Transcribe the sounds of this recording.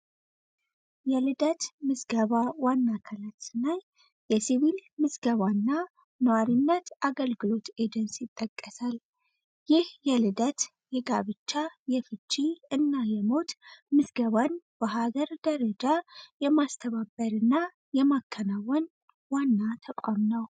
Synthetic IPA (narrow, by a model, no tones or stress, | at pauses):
jɛlɨd̪ət̪mɨzɡəβawanːakʰalat̪sɨnaj | jɛsiβilmɨzɡəβanːa | nəwaɾinːət̪ʔaɡəlɡɨlo̞t̪ed͡ʒənsjɪt̪ʼːəkʼːəsal | jɪhjɛlɨd̪ət̪ | jɛɡaβɨt͡ʃːajɛfɨt͡ʃʼːiɨnːajɛmo̞t̪mɨzɡəβanb̥əɦaɡəɾd̪əɾəd͡ʒajɛmast̪ʰəβabəɾɨnːa | jɛmakʰːənawɔn | wanːat̪ʰəkʷʼwamnəw